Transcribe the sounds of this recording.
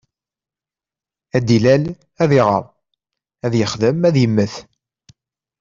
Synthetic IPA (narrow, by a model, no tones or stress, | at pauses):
æd̪ilæl | æðiʁə̰ɾˤ | æðjəχðəmæðjəmːəθ